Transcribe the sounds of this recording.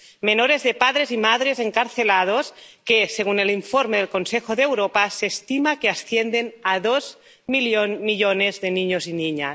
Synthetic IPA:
menoɾezðepaðɾezimaðɾezeŋkaɾθelað̞oskeseɣ̞uneliɱfoɾmeðelkonsexoðeːwɾopaseːst̪imakeasθjend̪enaðoz | milomiʎonezðeniɲoziniɲa

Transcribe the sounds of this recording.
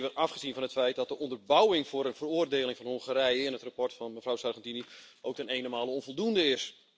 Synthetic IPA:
ʋəɑfχəzinvɔnɦətfɛjt̚dɔt̚dəɔndərbawɪŋvʊːɾənvəroərdeːlɪŋvɔnhoŋχəɾɛjəɪnɦətrapɔrtfɔnməvrawsarχɛntiniʔowk̚tənejnomaːlˠəɔnvolˠdundəɪs

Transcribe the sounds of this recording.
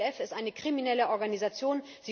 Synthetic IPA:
ɛfɪstʔaɪnəkʁ̥iminɛləʔɔɐɡanizat͡sjoːn | z̥iː

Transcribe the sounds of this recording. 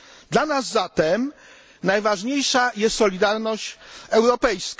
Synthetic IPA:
d̪lanazːat̪ɛm | najvaʐɲejʂajɛst̪sɔlʲid̪aɾnɔɕt͡ɕɛwɾɔpɛjsk

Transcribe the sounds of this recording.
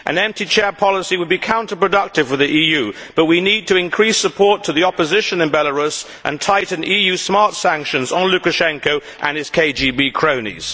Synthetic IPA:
ʔɨ̰̃nɛ̃mp̚tit͡ʃʰɛɹpʰɑlˠəsiwəd̚bikʰãʊ̃ntəpɹ̥ɨdʌk̚tɨv̥fə˞ðiʔijʉb̥ʌʔ̚winid̚tʰɨɪ̃nkʰɹ̥isəpʰɔɹtʰəðiɑpəzɪʃə̃nɨ̃nbɛlˠəɹʉs | ʔə̰̃ntʰaɪʔn̩ijʉsmɑɹtsæ̃ŋkʃɨ̃nzn̩lʉkɨʃɛ̃ŋkoʊ | ʔə̃nɨz̥kʰeɪd͡ʒibikʰɹ̥õʊ̃nḭz̥

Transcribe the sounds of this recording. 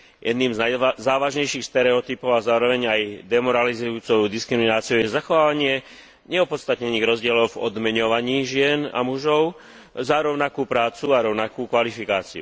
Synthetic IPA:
jʔɛd̪niːmznajzaːʋaʒɲɛjʃiːxst̪ɛɾɛɔt̪ipɔʊazaːɾɔʋɛɲajd̪ɛmɔɾalizujuːt͡sɔʊd̪iskɾiminaːt͡siɔʊjɛzaxɔʋaːʋaɲɪɛ | ɲɛɔpɔt̪st̪at̪ɲɛniːɣɾɔzɟɪɛlɔʊvɔ̰d̪mɛɲɔʋaɲiːʒɪɛna̰muʒɔʊ | zaɾɔʊnakuːpɾaːt͡suaɾɔʊnakuːkʋalifikaːt͡siṵ

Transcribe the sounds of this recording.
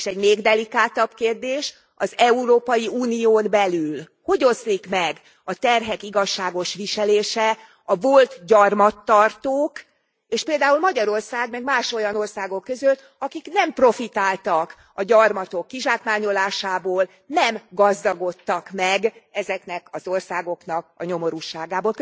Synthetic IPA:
ʃɛɟmeːɡd̪ɛlikaːt̪ɒbkeːrd̪eːʃ | ɒzɛuɾoːpɒjiuːnijoːnbɛlyl | ho̞ɟo̞zlikmɛɡ | ɒt̪ɛrɦɛkiɡɒʃːaːɡo̞ʃʋiʃɛleːʃɛ | ɒvo̞lt̪ɟɒrmɒt̪ːɒrt̪oːk | eːʃpeːld̪aːulmɒɟɒɾo̞rsaːɡmɛɡmaːʃo̞jɒno̞rsaːɡo̞kːø̞zøl | ɒkiknɛmpro̞fit̪aːlt̪ɒk | ɒɟɒrmɒt̪o̞kːiʒaːkmaːɲo̞laːʃaːboːl | nɛmɡɒzd̪ɒɡo̞t̪ːɒkmɛɡɛzɛknɛkɒzo̞rsaːɡo̞knɒk̚ɒɲo̞mo̞ɾuːʃaːɡaːboːl

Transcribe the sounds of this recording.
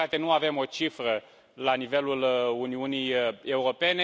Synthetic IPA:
at̪enuave̞mo̞t͡ʃifɾə | lanive̞luluniunije̞uɾo̞pe̞ne

